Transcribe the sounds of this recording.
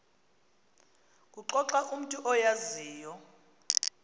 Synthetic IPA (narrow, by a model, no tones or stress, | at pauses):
kʼuǃɔǁaʔum̩tʼuʔɔjaziːjɔ